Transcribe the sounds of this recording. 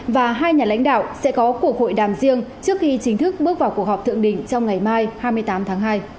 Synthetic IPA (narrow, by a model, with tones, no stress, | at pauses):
vaː˨˩ɦaː˧jɲaː˨˩la̰˧˥jŋ̟ɗa̰ː˧˨wsɛ̰˧˥kɔ˨˦ku˧˩ək̚ho̰˧˨jɗaː˨˩mzi˧əŋt͡ɕɨ˦˥ək̚xi˧t͡ɕï˨˦ŋt̪ʰɨ˦˥k̚ɓɨ˦˥ək̚vaː˨˩wku˨˩ək̚hɔ˨˩t̪ʰɨ̰˧˨əŋɗï˧˩ŋ̟t͡ɕɔ˧wŋ͡mŋa˨˩jmaː˧jhaː˧jmɨ˧əjt̪aː˨˦mt̪ʰaː˨˦ŋɦaː˧j